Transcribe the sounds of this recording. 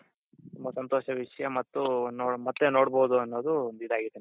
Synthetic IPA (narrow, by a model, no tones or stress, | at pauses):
t̪umːɐsɐnt̪oːʃɐʋiʂɐjɐmɐt̪ːunomɐt̪ːenoːɽboːd̪uɐnːoːd̪und̪id̪aːɡid̪en